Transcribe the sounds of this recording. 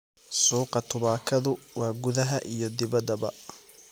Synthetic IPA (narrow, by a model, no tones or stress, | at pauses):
suːqɑt̪ʰʊβaːkʰɐðʊwɑːɡʊðɐɦɐʔijɞd̪ɪβɐd̪ɐbɐ̰